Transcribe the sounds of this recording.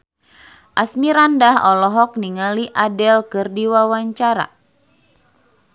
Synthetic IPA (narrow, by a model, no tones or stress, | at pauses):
ʔasmiɾandaɦɔlɔɦɔk̚niŋaliʔadɛlkɨrdiwawaɲt͡ʃaɾa̰